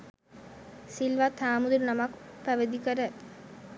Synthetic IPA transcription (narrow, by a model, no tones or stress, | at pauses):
silʋat̪aːmud̪uɾənamakpæʋəd̪ikəɾæ